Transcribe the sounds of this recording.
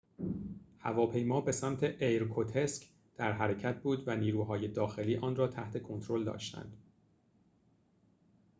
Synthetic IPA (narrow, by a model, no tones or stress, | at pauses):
hæ̰vɒːpʰe̞jmɒːbe̞sæmt̪ʰeʔejɾkʰot̪ʰe̞sk | d̪̥æɾɦæɾe̞cʰæt̪̚ʰbuːd̪væniːɾuːɦɒːje̞d̪ɒːxe̞liːʔɒːnrɒːt̪ʰæht̪ʰe̞kʰo̞nt̪ʰɾo̞ld̪ɒ̰ːʃt̪æ̰nd̪̥